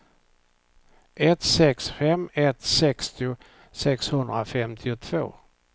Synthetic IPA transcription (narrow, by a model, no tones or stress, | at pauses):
ʔɛt̪sɛksfɛmɛt̪sɛkst̪ɪʊ | sɛkshɵnd̪ɾafɛmt̪ʰɪʊt̪ʰv̥o̰ː